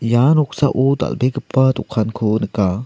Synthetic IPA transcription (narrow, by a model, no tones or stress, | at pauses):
janɔk̚saʔɔd̪a̰lbekəpːad̪ɔkʰankʰɔnəka